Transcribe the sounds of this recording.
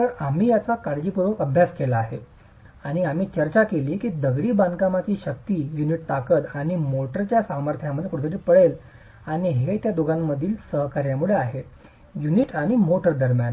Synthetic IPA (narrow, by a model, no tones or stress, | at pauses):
t̪əɾam̤iːjat͡sakaɾd͡ʑiːpuɾʋəəbʱjaskelaːɦe | aɽ̃iam̤iːt͡ɕəɾt͡ɕakeliːkiːd̪əɡɽiːbankamat͡ɕiːɕək̚t̪iːjuniʈ̚t̪akət̪aɽ̃imoʈəɾt͡ɕjasaməɾt̪ʰjaməd̪ʱːjekuɽ̤t̪əɾipəɭel | aɽ̃iɦet̪jad̪uɡanməd̪ʱiːlsəɦkaɾjamuɭeaɦe | juniʈaɽ̃imoʈəɾd̪əɾmjan